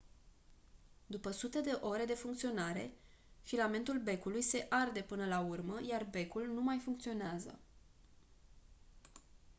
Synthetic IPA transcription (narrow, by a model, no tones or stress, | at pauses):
d̪upəsut̪e̞d̪e̞ʔo̞ɾe̞d̪e̞fuŋkt̪sio̞naɾe̞̰ | filame̞nt̪ulbe̞kulujse̞ʔard̪e̞pɨnəlaurməjarbe̞kulnumajfuŋkt̪sio̞neazə̰